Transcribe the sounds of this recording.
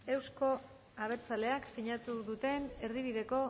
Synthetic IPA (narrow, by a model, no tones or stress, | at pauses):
e̞wsko̞ | aβ̞e̞ɾt͡sale̞aksiɲat̪uðut̪e̞ne̞ɾðiβ̞iðe̞ko̞